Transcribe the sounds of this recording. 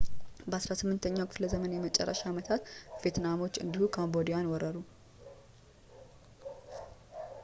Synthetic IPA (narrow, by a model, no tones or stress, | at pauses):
bəasɾasɨmːɨnt̪ʰəɲːawkʰɨfləzəmənjɛmət͡ʃʼɛ̰rːə̰ʃaːmət̪ʰat̪vjet̪namo̞t͡ʃːɨ̰nd̪ihukʰambo̞d̪ijanwɔɾəɾu